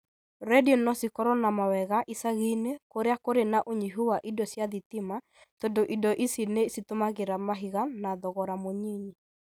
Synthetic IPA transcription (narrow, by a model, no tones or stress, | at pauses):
ɾɛdiɔnɔsikɔɾɔnamawɛɣaʔisaɣinekoɾeakoɾenaʔoɲiɦuwaʔidɔsjaðitima | tondoʔidɔʔisinesitomaɣeɾamaɦiɣanaðɔɣɔɾamoɲiɲi